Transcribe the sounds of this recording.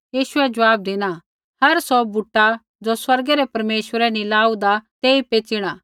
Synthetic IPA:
jiːʃʊɛd͡ʒɐʋaːb̚d̪eːña | hɐɾsɔbuʈːa | d͡ʒoswɐɾɡɛɾɛpɐɾmeːʃʋəɾɛnĩlaːud̪at̪eːipeːt͡ʃiɽ̃aː

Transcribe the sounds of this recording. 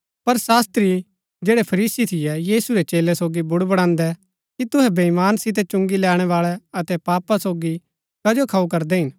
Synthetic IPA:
pɐɾsaːst̪ɾi | d͡ʒeːɽɛpʰɐɾiːsit̪ʰɪjɛjiːsuɾɛt͡ʃeːlɛsoːɡibʊɽbɐɽ̃ãːnd̪ɛ | kit̪ʊɦɛ̃bɐimaːnsɪt̪̬ɛt͡ʃʊ̃ŋɡilɛːɽ̃ɛʋaːɭɛɐt̪ɛpaːpasoːɡi | kɐd͡ʒokʰaːukɐɾd̪ɛɦɪn

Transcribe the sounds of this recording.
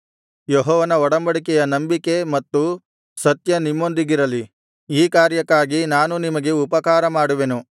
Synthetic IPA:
jeɦɔːʋɐnɐɔɽɐmbɐɽikɛjɐnɐmbike̞mɐt̪ːu | sɐt̪jɐnimːo̞nd̪iɡiɾɐli | iːkaːɾjɐkːaːɡinaːnunimɐɡe̞upɐkaːɾɐmaːɽuʋenu

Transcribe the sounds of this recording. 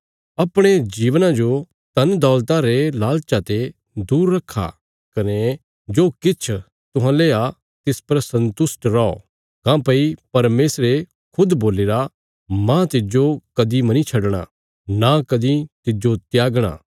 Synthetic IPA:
ɐpɽ̃ed͡ʒiːʋnãd͡ʒo | t̪ɐnd̪ɔːlt̪ãɾelaːlt͡ʃat̪e | d̪uːɾːɐkʰːa̰ | kɐne | d͡ʒoːkɪt͡ʃʰ | t̪ʊɦãleːa | t̪ɪspɐɾsɐ̃nt̪ʊsʈɾɔɔ̰ | kãpɐipɐɾmeːsɾe | kʰʊd̪boːleːɾa | mãt̪ɪd͡ʒokɐd̪imɐnit͡ʃʰɐɖɽ̃a̰ | nakɐd̪it̪ɪd͡ʒot̪jaːɡɽ̃a̰ː

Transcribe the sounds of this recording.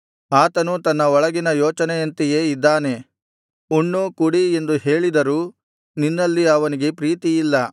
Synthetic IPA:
aːt̪ɐnut̪ɐnːɐɔɭɐɡinɐjoːt͡ʃɐneɐnt̪ijeːid̪ːaːne̞ | uɳːukuɽie̞nd̪uɦe̞ːɭid̪ɐɾuː | ninːɐlːiɐʋɐniɡe̞pɾiːt̪ijilːɐ

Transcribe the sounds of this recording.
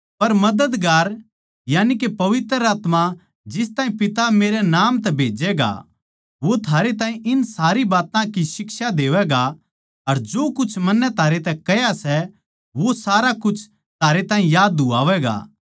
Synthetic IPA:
pɐɾmɐd̪əd̪ɡaːɾ | jaːnikepɐʋɪt̪ɾɾəaːt̪ma | d͡ʒɪs̬t̪aːĩpɪt̪ameːɾɛnaːmt̪ɛbʱeːd͡ʒɛɡa̰ | ʋot̪ʰaːɾet̪ãːɦĩʔɪnsaːɾibaːt̪ãkisɪkʃad̪eːʋɛɡa | ɐɾd͡ʒoːkʊt͡ʃʰmɐnːɛt̪ʰaːɾet̪ɛkɐjasɛ | ʋosaːɾakʊt͡ʃʰ | t̪ʰaːɾet̪ãːɦĩjaːd̪ua̰ːʋɛɡa̰ː

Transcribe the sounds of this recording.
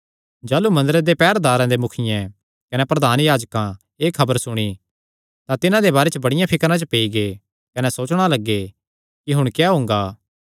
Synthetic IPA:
d͡ʒaːlumɐ̃nd̪əɾed̪epɛːɾd̪aːɾãd̪emʊkʰɪjɛ̃ | kɐnɛpɾɐd̪ʱaːnjaːd͡ʒkã | eːkʰɐbəɾsʊɽ̃i | t̪ãt̪ɪnãd̪ebaːɾɛt͡ʃəbɐɽɪjãpʰɪkɾãt͡ʃəpeːiɡe | kɐnɛsoːt͡ʃɽ̃alɐɡːe | kiɦʊɽ̃kjaːɦõːŋ̆ɡaː

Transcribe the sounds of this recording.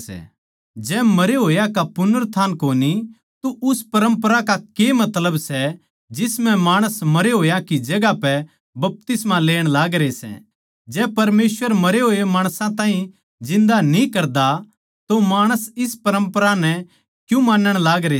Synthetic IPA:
ɛ̰ | d͡ʒɛːmɐɾeɦoːjakapʊnəɾt̪ʰaːnkoːni | t̪oʔʊspɐɾə̃mpɾakakemɐt̪ləbsɛ | d͡ʒɪsmɛ̃maːɽ̃əsmɐɾeɦoːjakid͡ʒɐɡapɛ | bɐp̚t̪ɪsmãleːɽ̃laːɡɾesɛ̰ | d͡ʒɛːpɐɾmeːswəɾmɐɾeɦoːemaːɽ̃sãt̪ãːɦĩ | d͡ʒɪ̃nd̪anĩkɐɾd̪a | t̪omaːɽ̃əsɪspɐɾə̃mpəɾanɛ̃ | kjũmaːnːəɽ̃laːɡɾe

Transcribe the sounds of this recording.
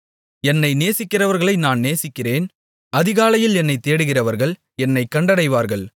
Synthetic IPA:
ɛnːɐɪneːsɪkːɪrɐʋɐɾɣɐɭɐɪnaːnneːsɪkːɪreːn | ɐðɪɣaːlɐjɪlɛnːɐɪt̪ːeːɽɯɣɪrɐʋɐɾɣɐɭ | ɛnːɐɪkːɐɳɖɐɽɐɪʋaːɾɣɐɭ

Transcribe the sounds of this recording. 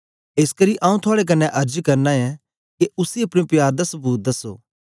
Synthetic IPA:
eːskɐɾiʔãːũt̪ʰʊaːɽek̬ɐnːɛʔɐɾd͡ʒkɐɾnaɛ̃ | keʊsiɐpɽ̃jopjaːɾd̪ɐsɐbuːt̪̚d̪ɐso̰ː

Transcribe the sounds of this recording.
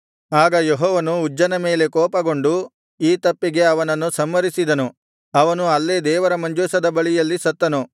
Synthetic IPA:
aːɡɐjeɦɔːʋɐnuːd͡ʒːɐnɐme̞ːle̞kɔːpɐɡo̞ɳɖu | iːt̪ɐpːiɡe̞ɐʋɐnɐnːusɐmːɐɾisid̪ɐnu | ɐʋɐnuɐlːed̪ɛːʋɐɾɐmɐɲd͡ʒuːsɐd̪ɐbɐɭijɐlːisɐt̪ːɐnu

